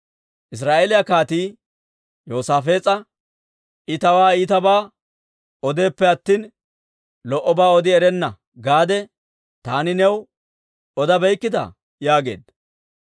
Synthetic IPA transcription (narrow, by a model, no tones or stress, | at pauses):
ʔɪs̬ɾaːʔelɪjɐkaːt̪iː | jo̞ːsaːfe̞ːt͡sʼɐ | ʔɪt̪ɐwaːiːt̪ɐbaː | ɔd̪e̞ːpːɛɐt̪ːiːn | lɔʔɔbaːɔd̪ɪɛɾɛnːɐ | ɡaːd̪ɛ | t̪aːnɪnɛw | ɔd̪ɐbɛjkːɪd̪ɐ̰ | jaːɡe̞̰ːd̪